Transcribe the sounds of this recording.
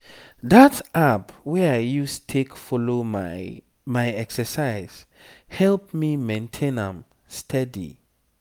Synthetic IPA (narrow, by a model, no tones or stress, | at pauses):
datapwɛajjustʰekfɔlom | majɛksəsaɪz̥ | hɛlp̚mimẽntʰẽnãm | stʰɛdḭ